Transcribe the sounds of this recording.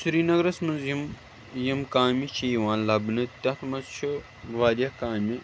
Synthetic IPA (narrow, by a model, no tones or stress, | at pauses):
sɾiːnɐɡɾɐsmɐnzjim | jimkaːmit͡ʃʰiːʋãːnlɐbnɨt̪ʲɐt̪ʰmɐzt͡ʃʰi | ʋaːd̪jɐkaːmi